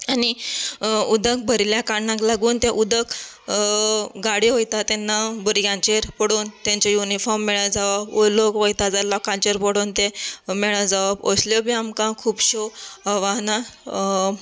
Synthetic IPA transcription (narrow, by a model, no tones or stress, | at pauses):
ani | ud̪ʱək̚bʱəɾljakaɳːãklaɡuːnt̪ẽʔud̪ək | ɡaɽiɦojt̪at̪ɛnːabəɾjãɲt͡ɕeɾpəɽuːnt̪ãɲt͡ɕajunifɔɾmːeɭəd͡zaʋabolokʋojt̪ad͡zalɔkãɲt͡ɕeɾpɔɽoːnt̪emeɭəd͡zaʋabo̰sljobʱiamkãkʰuːpɕoaʋaɦna